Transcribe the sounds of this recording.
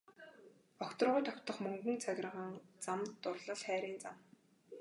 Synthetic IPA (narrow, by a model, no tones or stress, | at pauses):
ɔkt̪ɞ̆rʁʊːjt̪ʰɔkʲt̪ə̆χmɵŋɡɵ̆nt͡sʰaɣʲrə̆ʁə̆ŋt͡samt̪ːʊrɮə̆ɮχæːɾiːnt͡sam